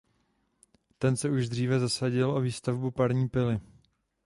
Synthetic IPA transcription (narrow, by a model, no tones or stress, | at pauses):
t̪ɛnsɛuʒd̪r̝iːvɛzasaɟɪlʔo̞viːst̪avbupaɾɲiːpɪlɪ